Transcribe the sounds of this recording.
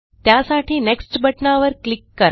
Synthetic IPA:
t̪jasaʈʰiːneksʈbʱəʈnaʋəɾklikːəɾ

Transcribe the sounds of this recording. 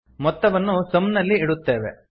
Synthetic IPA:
mɔt̪ːɐʋɐnːusɐmnɐlːiːɽut̪ːeːʋe

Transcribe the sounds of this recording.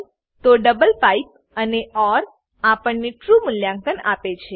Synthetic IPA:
t̪oɖəbəlpaip̚ | əneʔɔɾ | apəɳneʈɾumʊljãŋk̪əna̰pet͡ʃʰe

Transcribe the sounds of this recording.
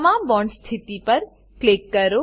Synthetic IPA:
mãːmbɔ̃ɳɖst̪ʰit̪ipɐɾ | klikːəɾo

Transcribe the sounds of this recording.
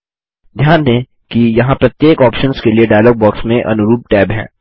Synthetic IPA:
d̪ʱjaːnd̪ẽ | kijɐɦãpɾɐt̪jeːkɔːpʃənskelieɖaːjlɔːɡ̚bɔːksmẽʔɐ̰nʊɾuːp̚ʈɛːbɦɛ̰̃ː

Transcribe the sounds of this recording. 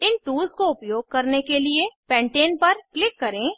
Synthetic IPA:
ɪnʈ̪uːzkoʊpjoːɡ̚kɐɾnekeliepɛ̃ːɳʈeːnpɐɾklɪkːɐɾẽː

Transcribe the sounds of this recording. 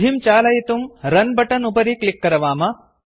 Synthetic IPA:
imt͡ʃaːlɐjit̪umɾɐnbɐʈɐnupɐɾiklikːɐɾɐʋaːmɐ

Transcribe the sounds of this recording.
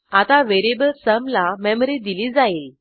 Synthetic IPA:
at̪aʋeɾibəlsəmlamɛmɾid̪ilid͡zail

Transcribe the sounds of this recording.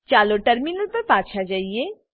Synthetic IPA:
t͡ʃaːloʈɐɾminəlpɐɾpãːt͡ʃʰad͡ʒaːie

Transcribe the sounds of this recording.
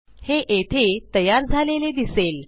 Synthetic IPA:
heʔet̪ʰet̪əjaɾd͡zʱaleled̪isel

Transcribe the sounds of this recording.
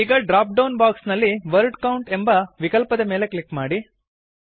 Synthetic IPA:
iːɡɐɖɾaːp̚ɖɐwnbaːksnɐlːiʋɐɾɖkɐwuɳʈembɐʋikɐlpɐd̪ɐme̞ːlekɭikːmaːɽi

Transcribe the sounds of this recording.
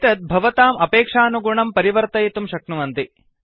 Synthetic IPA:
t̪ɐt̪̚bʱɐʋɐt̪aːmɐpeːkʂaːnuɡuɳɐmpɐɾiʋɐɾt̪ɐjt̪umʃɐknuʋɐnt̪i

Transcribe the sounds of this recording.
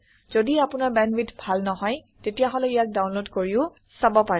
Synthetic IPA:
z̥odiapʊnaɹbɛnwitʰbʱalnɔɦɔj | tetijaɦɔlɛijak̚dawnlodkoɹiʊ | sabɔpaɹɛ

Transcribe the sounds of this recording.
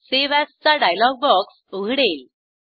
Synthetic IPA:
seʋast͡saɖajlɔɡ̚bɔksoɡʱɽel

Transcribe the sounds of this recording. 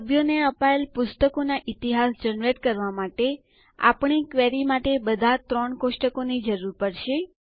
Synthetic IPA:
əbjoneəpaelpʊst̪əkonaʔit̪iɦasd͡ʒənɾeʈkəɾʋamaʈe | a̰pɳ̃ikʋeɾimaʈebəd̪ʱat̪ɾɔɳkoʃʈəkonid͡ʒəɾuɾpəɽʃe

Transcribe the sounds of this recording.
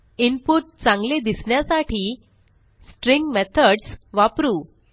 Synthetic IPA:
inpuʈ̚t͡sãŋɡled̪isɳjasaʈʰiː | sʈɾiŋɡmɛt̪ʰəɖsʋapɾuː

